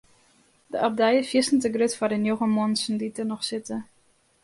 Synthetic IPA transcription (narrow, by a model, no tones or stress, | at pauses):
dəʔap̚dɛjəfjɪsn̩təɡrøtfaɾənjoɣəmonsn̩ditənɔxsɪtə